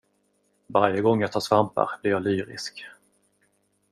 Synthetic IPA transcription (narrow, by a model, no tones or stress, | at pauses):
vaɾjəɡɔŋːjɑt̪ʰɑːʂvampa̰ɾblɪɾjɑːlyːɾɪ̰sk